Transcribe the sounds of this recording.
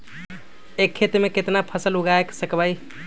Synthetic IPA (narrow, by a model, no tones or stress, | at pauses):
ekʰːet̪meket̪napʰəsəluɡaeksəkbaj